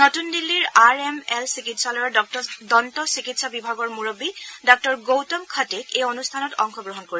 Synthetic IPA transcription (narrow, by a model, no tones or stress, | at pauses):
notundilːiɹaɹɛmɛlsikitsalɔjɔdɔntɔsikitsabibʱaɡɔɹmuɹobidɔk̚tɔɹɡowtɔmkʰatekejonustʰanɔtɔŋxɔɡɹɔɦɔnkoɹi